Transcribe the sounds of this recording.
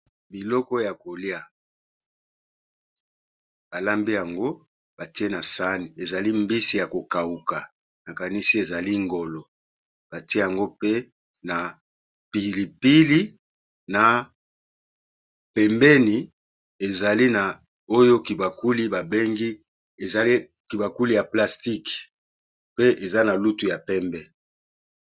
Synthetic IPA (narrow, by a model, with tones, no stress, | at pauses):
bi˨lɔ˦kɔ˦ja˨ko˨li˦a˦ | b̥a˨la˦mbi˦ja˨ŋɡo˦ | b̥a˨ti˦e˦na˨sa˦ni˨e˨za˨li˦mbi˦si˦ja˨ko˨ka˨u˨ka˨ | na˨ka˨ni˦si˦e˨za˨li˦ŋɡo˨lɔ˨ | b̥a˨ti˦e˦ja˨ŋɡo˦pe˦ | na˨ | pi˨li˨pi˦li˦ | na˨ | pɛ˨mbɛ˦ni˨ | e˨za˨li˦na˨ | o˦jo˦ki˨ba˨ku˦li˦ba˨be˦ŋɡi˦ | e˨zi˦ | ki˨ba˨ku˦li˦ja˨pla˨sti˦k | pe˦ʔe˨za˦na˨lu˦tu˨ja˨pɛ˦mbɛ˦